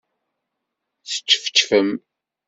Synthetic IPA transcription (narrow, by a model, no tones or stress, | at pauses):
θə̥t͡ʃːfə̥t͡ʃːfəm